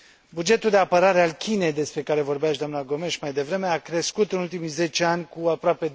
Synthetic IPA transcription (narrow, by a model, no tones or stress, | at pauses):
bud͡ʒe̞t̪uld̪e̞apəɾaɾe̞alkʲʰine̞jd̪e̞spɾe̞kaɾe̞vo̞rbeaʃ̬d̪oamnaɡo̞me̞ʃmajd̪e̞vɾe̞me̞akɾe̞skut̪ɨnult̪imijze̞t͡ʃeanʲkuapɾoape̞